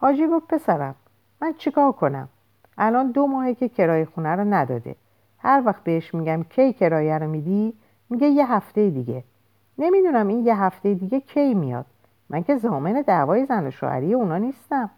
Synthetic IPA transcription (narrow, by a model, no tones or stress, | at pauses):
hɒːd͡ʒiːɡofpʰe̞sæɾæmː | ænt͡ʃʰekʰɒːɾkʰo̞næ̰m | ʔælɒːnd̪omɒːhecʰe̞cʰe̞ɾɒːjexunæɾɔnæd̪ɒ̰ːd̪ḛ | hæɾvæxt̪̚beheʃmiɟæmcʰejcʰe̞ɾɒːjæɾɔmiːd̪i | miɟe̞jeɦæft̪e̞jed̪iɟe̞ | ne̞mid̪unæmiːnjeɦæft̪e̞jed̪iːɟe̞cʰe̞jmijɒ̰ːd̪̥̚ | mʔæŋcʰe̞zɒːme̞ne̞d̪ævɒːje̞zænoʃo̰ʔæ̰ɾijeunɒːniːst̪æm